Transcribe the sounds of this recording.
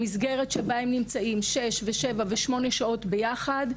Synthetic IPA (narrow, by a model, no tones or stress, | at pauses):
misɡe̞ʁetʃebaemnimt͡saimʃe̞ʃveʃevaveʃmo̞ne̞ʃao̞tbe̞jaχad